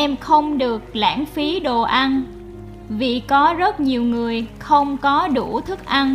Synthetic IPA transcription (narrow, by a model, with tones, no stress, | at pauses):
ʔɛ˧mxə˧wŋ͡mɗɨ˨˩ək̚la̰ː˧˥˩nfi˨˦ɗo˨˩ʔa˧n | vḭ˧˨kɔ˨˦zə˦˥t̚ɲi˨˩əwŋɨ˨˩əjxə˧wŋ͡mkɔ˨˦ɗu˧˩t̪ʰɨ˦˥k̚ʔa˧n